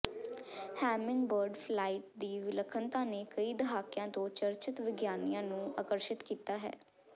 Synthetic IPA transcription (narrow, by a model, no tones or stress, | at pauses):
hɛːmɪ̃ŋɡbəɾɖpʰlaːiːʈ̚d̪iːʋɪləkʰːənt̪ãːneːkəiːd̪əɦaːkjãːt̪õːt͡ʃəɾt͡ʃɪt̪ʋɪɡjaːnijãːnũːa̰ːkəɾʃɪt̪kiːt̪aːɦɛ̰ː